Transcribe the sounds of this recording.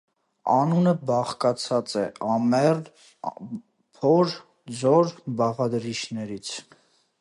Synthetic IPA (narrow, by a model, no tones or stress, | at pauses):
ɑnunəbɑχkɑt͡sʰɑt͡sɛʔɑmɛr | pʰɔɾ | zɔɾbɑʁɑd̪ɾit͡ʃʰnɛɾit͡sʰ